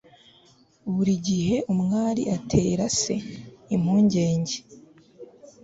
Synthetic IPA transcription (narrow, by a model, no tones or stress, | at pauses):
βuɾiɟihe̞ʔumŋaːɾḭʔatʰe̞ːɾase̞im̥huːɲɟe̞ːɲɟe